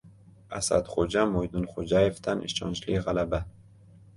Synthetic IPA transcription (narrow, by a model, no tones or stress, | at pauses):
asa̰d̪χod͡ʒamojd̪unχod͡ʒajevt̪ʰanʔḭʃt͡ʃʰɒ̰nd͡ʒliʁalaba